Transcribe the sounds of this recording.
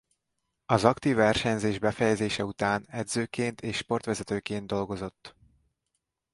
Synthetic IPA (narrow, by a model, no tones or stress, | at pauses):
ɒzɒkt̪iːvːɛrʃɛɲzeːʒbɛfɛjɛzeːʃɛut̪aːnɛd̪zøːkeːnt̪ʰeːʃʃpo̞rt̪ʋɛzɛt̪øːkeːnd̪o̞lɡo̞zo̞t̪ː